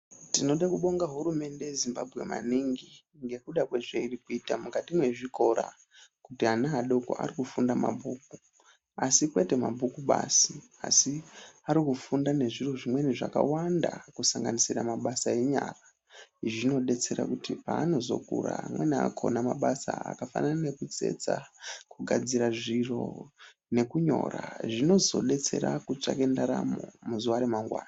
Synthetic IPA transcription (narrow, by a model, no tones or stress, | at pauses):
tino̞ɗakuɓo̞ŋɡaɦuɾume̞nde̞jezimba̰bʱɣe̞ma̰niŋɡi | ŋɡe̞kuɗakwe̞ʐeirikuiːtamukatimwe̞ʐiko̞ɾa̰ | kutianaːɗoko̰ʔa̰rikufundama̰bʱuːku | asikwe̞te̞mabʱukuɓa̰si | asiaɾikufundane̞ʐiruʐimwe̞niʐaka̰wanda̰kusaŋɡanisiramaɓasae̞ɲaːra | ʐino̞ɗe̞t͡se̞ɾa̰kutipaːno̞zo̞̰kṵramwenakʰo̞namaɓasa̰a̰kafananane̞kud͡ze̞̰t͡sakuɡʱad͡ziɾaʐiro̞̰ | ne̞kuɲo̞̰ːra̰ʐino̞zo̞ɗe̞t͡se̞ɾakut͡ʂake̞ndaɾamomuzuʋaɾemaŋɡwa̰ːna